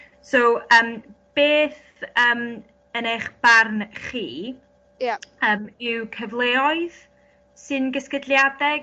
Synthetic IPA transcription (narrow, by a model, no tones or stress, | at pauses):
sowəːmb̥eːθ | əːm | ənejχb̥arnχiː | jaəːmɪwkʰəvlˠeːɔɨð | sɨnɡəskədlˠjadɛɡ